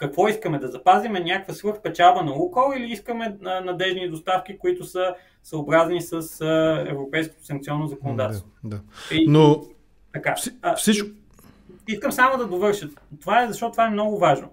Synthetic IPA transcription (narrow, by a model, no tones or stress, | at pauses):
kɐkvɔiskəmɛd̪ɐzɐpazimɛnʲakəkvəsvɤɾxpɛt͡ʃabənɐukəlˠiliiskəmɛənɐd̪ɛʒnid̪ost̪afkikoit̪ʊsə | səobɾaznisəsəɛ̰vɾopɛjsko̥t̪ʊ̥sɐŋk̚t̪siɔnːozɐkonod̪at̪ɛst̪d̪aino | t̪ɐkafsit͡ʃ | iskəmsamod̪ɐd̪ovɤɾʃət̪t̪ovaɛzɐʃtɔt̪t̪ovaɛmnɔɡʊvaʒno̰